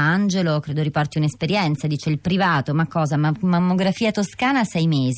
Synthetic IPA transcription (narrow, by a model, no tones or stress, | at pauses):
and͡ʒelokɾeːd̪oɾipɔrt̪iunespeɾjɛnt̪sad̪iːt͡ʃeilpɾivaːt̪omakːɔːzamamːoɡɾafiːat̪oskaːnasɛjmeːz